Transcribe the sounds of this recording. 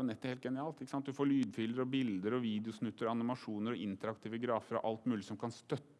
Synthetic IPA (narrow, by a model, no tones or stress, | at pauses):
ʊnɛt̪ːheːlt̪ɡɛnɪɑːlt̪ɪkːəsɑnt̪̚d̪ʉfoːɭlyːd̪fʏləɾɔbɪld̪əɾɔʋiːd̪ɛʊsnʉt̪ːəɾɔɑnɪmɑʂuːnəɾɔʔɪnt̪əɾɑkt̪ʰiːʋəɡɾɑːfəɾɔ̰ʔɑlt̪mʉːlɪsɔmkʰɑnst̪œt̪ː